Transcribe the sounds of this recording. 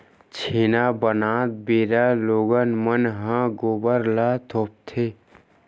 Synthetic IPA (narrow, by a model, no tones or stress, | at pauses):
t͡ʃʰiːnabənaːt̪̚beːɾaːloːɡənmənɦãɡoːbəɾlaːt̪ʰoːp̚t̪ʰeː